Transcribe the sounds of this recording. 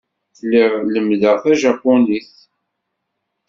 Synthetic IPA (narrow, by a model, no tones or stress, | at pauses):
θlːɪʁləmðəʁθæʒɑpːʊniθ